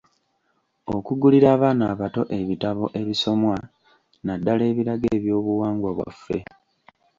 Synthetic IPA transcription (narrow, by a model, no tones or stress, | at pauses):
o̞kuɡuliɾaːβaːnaːβato̞ʔe̞βitaβo̞ʔe̞βiso̞mwa | nadːale̞ːβiɾaɡeːβjo̞ːβuwaːŋɡwaβwa̰fːe̞̰